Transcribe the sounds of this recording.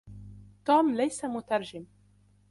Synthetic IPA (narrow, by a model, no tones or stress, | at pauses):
t̪uːmlajsamʊt̪ɑɾˤd͡ʒɪm